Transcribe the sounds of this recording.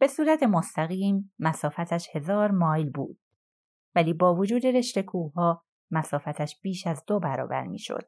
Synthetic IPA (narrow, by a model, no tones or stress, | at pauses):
b̥e̞suːɾæt̪ʰe̞most̪ʰæɣiːmːæsɒːfæt̪ʰæʃhe̞zɒːɾmɒːjlbṵːd̪̥̚ | væliːbɒːvod͡ʒuːd̪e̞ɾe̞ʃt̪e̞kʰuːɦɒː | mæsɒːfæt̪ʰæʃb̥iːʃæzd̪obæɾɒ̰ːbæ̰ɾmḭːʃo̰d̪̥